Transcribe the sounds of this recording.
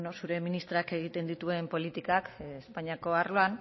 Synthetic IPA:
nosuɾe̞minist̪ɾoake̞ɣ̞it̪e̞nd̪it̪ue̞mpo̞lit̪ikakespaɲiako̞arloan

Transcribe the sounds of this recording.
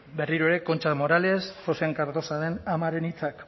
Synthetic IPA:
be̞riɾoe̞ɾe̞ko̞nt͡ʃamo̞ɾalesʝo̞seaŋkaɾt̪o̞saðenamaɾe̞nit͡sak

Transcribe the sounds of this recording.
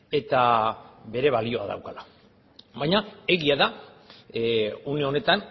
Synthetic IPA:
e̞t̪aβe̞ɾe̞βalio̞a̰ða̰wkala | βajɲae̞ɣiaða | une̞o̞ne̞t̪an

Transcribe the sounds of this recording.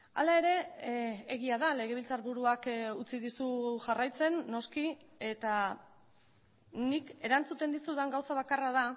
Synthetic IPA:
a̰lae̞ɾe̞ː | ɣiaðale̞ɣ̞e̞β̞ilt͡saɾβuɾuakut͡siðisuʝarajt͡se̞nːo̞skie̞t̪a | nike̞ɾant͡sut̪e̞nd̪isuðaŋɡawsaβakaraða

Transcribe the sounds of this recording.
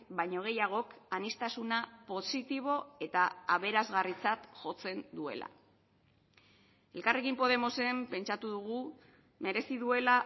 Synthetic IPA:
bajɲo̞ɣ̞e̞jaɣ̞o̞kanist̪asunapo̞sit̪iβ̞o̞e̞t̪aaβ̞e̞ɾazɣarit͡sat̪ʝo̞t͡se̞nd̪ue̞̰la̰ | e̞lkare̞kimpo̞ð̞e̞mo̞se̞mpe̞nt͡ʃat̪uðuɣ̞u | me̞ɾe̞siðue̞la

